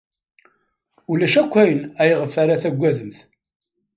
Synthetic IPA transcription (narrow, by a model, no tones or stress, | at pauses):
ulæʃækʷːæjənæjəʁəfːaɾaθæɡʷːæðəmθ